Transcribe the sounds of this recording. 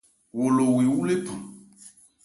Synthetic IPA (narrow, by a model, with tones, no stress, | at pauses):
wo˨lo˨wi˨wu˦le˦pa˨